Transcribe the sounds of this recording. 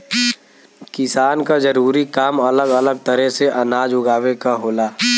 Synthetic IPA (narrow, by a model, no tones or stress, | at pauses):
kɪsaːnkazəɾuːɾikaːmɐləɡələɡ̚t̪əɾəɦseʔɐnaːd͡ʒʊɡaːʋekaɦoːlaː